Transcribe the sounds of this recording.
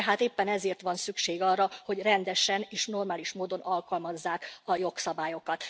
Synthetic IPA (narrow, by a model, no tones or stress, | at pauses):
ɦaːt̪eːpːɛnɛzeːrt̪ʋɒnsykʃeːɡɒrːɒho̞ɟrɛnd̪ɛʃɛneːʃno̞rmaːliʃmoːd̪o̞nɒlkɒlmɒzːaːkɒjo̞ksɒbaːjo̞kɒt̪